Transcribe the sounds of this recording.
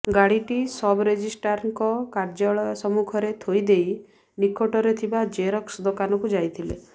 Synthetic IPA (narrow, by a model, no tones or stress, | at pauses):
ɡaɽiʈisɔbɾed͡ʒisʈaɾŋkɔkaɾd͡ʒɔɭɔsɔmukʰɔɾet̪ʰojd̪ej | nikoʈɔɾet̪ʰibad͡ʒeɾɔksd̪okanɔkud͡ʒajt̪ʰilḛ